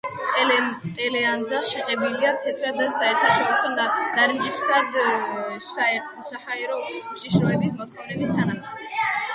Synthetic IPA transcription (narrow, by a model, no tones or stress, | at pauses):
t̪ʼɛlt̪ʼɛlɛand̪zaʃɛqʼɛbiliat̪ʰɛt̪ʰɾad̪asaɛɾt̪ʰaʃɔɾit̪sʰɔd̪ad̪̥aɾind͡ʒispʰɾad̪ | aɛɾ | sahaɛɾɔumʃiʃɾɔɛbismɔt̪χɛnɛbist̪ʰanaχɛbis